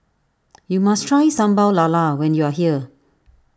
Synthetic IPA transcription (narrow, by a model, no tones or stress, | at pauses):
jumastʰɹajsãmbaʊlalawɛ̃njuaɦiə